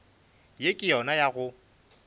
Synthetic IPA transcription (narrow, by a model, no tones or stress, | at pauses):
jekʼɪjɔnajaɣʊ